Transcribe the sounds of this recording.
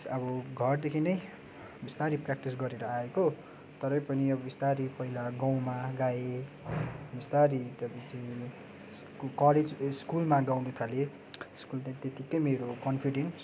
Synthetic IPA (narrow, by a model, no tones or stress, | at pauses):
sʌbʌɡʱʌrd̪ekʰinʌj | bist̪aɾiprak̚ʈis̬ɡʌɾeɾʌaeko | t̪ʌɾʌpʌniʌbʌbist̪aɾipʌɦilaɡaw̃maɡae | bist̪aɾit̪ʌbʌt͡si | s | kʌled͡zskulmaɡawnut̪ʰale | skult̪at̪et̪ikʌjmeɾokʌnpʰiɖens